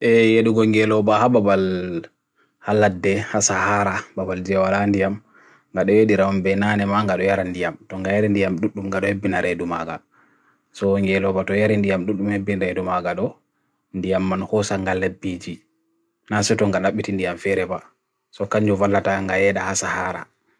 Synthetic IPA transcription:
ʔɛjeɗuɡɔŋɡɛlɔbahababal | halːadːɛhasahaɾababald͡ʒiawalandijam | ŋɡaɗɔjeɗiɾamambɛnanɛmaŋɡaɗɔjaɾandijamtɔŋɡajaɾindijamɗuɗːumŋɡaɗɔhebːinaɾʔedumaɡa̰ | sɔŋɡɛlɔbatɔjaɾindijamɗuɗːumhebːinɾedumaɡaɗɔ | ndijamːanhɔsaŋɡalebːid͡ʒi | nasɛtɔŋɡanaɓːitindijamfɛɾɛba | sɔkaɲd͡ʒuvalːataŋɡajɛɗahasahaɾa̰

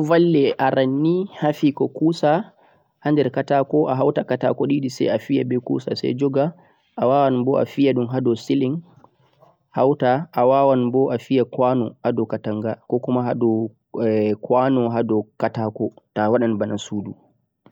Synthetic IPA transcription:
valːɛʔaɾanːihafikɔkusa | handɛɾkatakɔʔaɦawtakata̰kɔɗiɗisɛ̰jafijabɛkṵsa̰sɛ̰jd͡ʒɔɡa | ʔawawanbɔʔa̰fijaɗumɦadɔsiliŋ | hawtaʔːwawanbɔʔafijakwanɔhadɔkataŋɡakɔkumaɦadɔ | kwanɔɦadɔkatakɔtawaɗanbanasudu

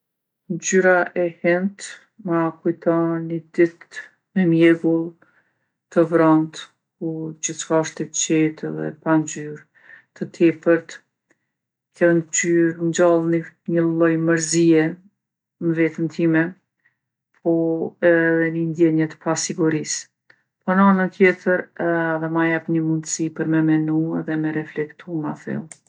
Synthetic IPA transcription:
nd͡ʒyɾaʔɛhɛnt̪ | makujt̪ɔnid̪it̪ | mɛmjɛɡulˠ | t̪əvɾɔnt̪ | kud͡ʒiθt͡ʃkaʃt̪ɛt͡ʃit̪ɛðɛ̰pand͡ʒyɾ | t̪ət̪ʰifəɾt̪ | kʰɛnd͡ʒyɾɲd͡ʒalˠniɲəllˠɔjməɾziɛ | məvɛt̪əmt̪ʰimɛ | pʰɔɛðɛnənd̪jɛɲɛt̪ə̥pasiɡuɾis | pɔnanət̪jɛt̪ʰəɾðɛmajapɲəmund̪əsipəɾmɛmɛnuɛðɛmɛɾɛflɛkt̪ʰumaθɛ̰lˠ

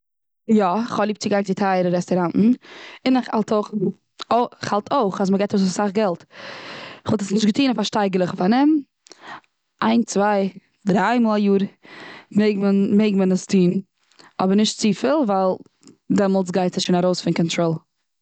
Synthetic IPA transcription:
jɔɪχhɔblˠiːp̚t͡sɪɡaɪkdɪtʰaɪɾəɾɛstɔɾanʔn̩ɪnɪχa̰lˠtʰoʊχ | oχhalˠtʰoɪχas̬məɡaɪtoʊssaχɡɛlˠt | ɪχvɔlˠtəsnɪʃtɡətiːnafaɾʃtaɪɡəlˠəχfanɪm | ʔaɪnt͡svaɪ | dɾaɪmɔːlˠajuːɾ | meɪɡmənmeɪɡ̚mənəstʰiːn | ɔbəɾnɪʃtt͡siːfəlˠvaɪlˠ | dɛmɔlˠt͡sɡaɪtsɪʃoːnaɾoʊsfɪnkɔntɾoːlˠ

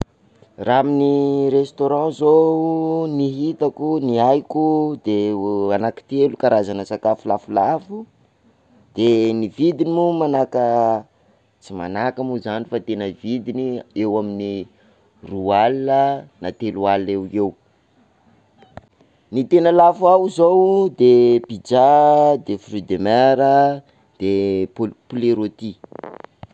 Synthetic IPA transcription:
raaminirest̪oɾɑ̃zo | niɦit̪akuniajkud̪eanaki̥t̪elukaɾazanəsakafulafulafu | d̪̥enivid̪inimumanakə | t͡sima̰nakamuzanifat̪enəvid̪iniewamini | rualinənat̪elualewew | nit̪enəlafuawzowd̪epid͡ʒad̪efryd̪emeɾə | d̪̥e | puleɾot̪i

